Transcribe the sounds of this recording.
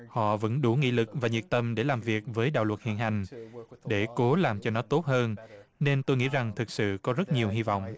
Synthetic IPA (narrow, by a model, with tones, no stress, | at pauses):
hɔ̰˧˨və̰˧˥nɗu˧˩ŋḭ˧˥lɨ˨˩k̚vaː˨˩ɲi˨˩k̚t̪ə˧mɗe˧˩laː˨˩mvi˨˩ək̚vəː˨˦jɗa̰ː˧˨wə˨˩t̚hḭ˧˨ənɦa˨˩jŋ̟ɗe˧˩ko˨˦laː˨˩mt͡ɕɔ˧nɔ˨˦t̪o˦˥t̚həː˧nne˧nt̪o˧jŋḭ˧˥za˨˩ŋt̪ʰɨ˨˩k̚sɨ̰˧˨kɔ˨˦zə˦˥t̚ɲi˨˩əwɦi˧vɔ̰˧˨wŋ͡mʔ